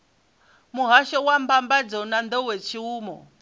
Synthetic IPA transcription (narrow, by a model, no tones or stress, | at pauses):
muɦaʃɔwambambad͡zɔnand̪ɔwɛt͡ʃʰiuːmɔ̰